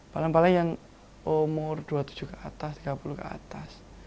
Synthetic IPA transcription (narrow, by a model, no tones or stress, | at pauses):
palaŋpalaŋjaŋ | ʔomɔrd̪̥uat̪u̥d͡ʒ̥ukəat̪ast̪iɡ̥apulukə̰a̰t̪as